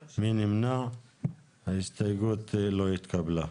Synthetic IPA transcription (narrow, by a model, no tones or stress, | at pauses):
minimna | ɐist̪ɐjɡoːt̪ːeloit̪kʰabla